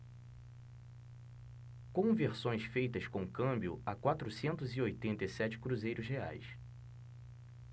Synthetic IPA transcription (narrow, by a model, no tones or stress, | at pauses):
kõveɾsõj̃sfejt̪ɐskõkɐ̃mbjʊ̰akwat̪ɾusẽnt̪ʊziojt̪ẽnt̪ɐjsɛt͡ʃɪ̥kɾuzejɾʊzɦea̰js